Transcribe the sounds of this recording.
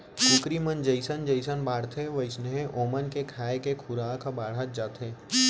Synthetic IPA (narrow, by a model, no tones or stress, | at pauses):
kʊkɾimənd͡ʒəɪsənd͡ʒəɪsənbaːɽt̪ʰeʋɐɪsneɦẽʔoːmənkekʰaːekekʰʊɾaːkabaːɽ̤at̪̚d͡ʒaːt̪ɦeː